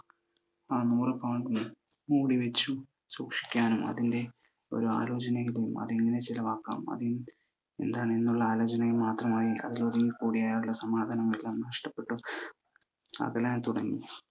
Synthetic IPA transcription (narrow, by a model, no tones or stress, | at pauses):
aːmuːrɐpɐwɳɖ | muːɽiʋet͡ɕːu | suːkʂi̥kʲːaːnumɐ̰ðinde̞ | o̞̰ɾua̰ːlo̞ːt͡ɕɐnɐjilɐjumɐ̰ðeŋːɐne̞t͡ɕilɐʋaːkːa̰ːmmɐ̰ði | e̞̰nd̪aːɳɨenːuɭːɐaːlo̞ːt͡ɕɐnɐjimaːt̪rɐmaːjiʔɐ̰ðiloðiŋikuːɽijaːjaːʈuɭːɐsɐmaːd̪ʱɐnɐŋːɐɭelːaːmnɐʂʈɐpːe̞ʈːɨ | ɐ̰ɣɐlaːnt̪uɽɐŋːi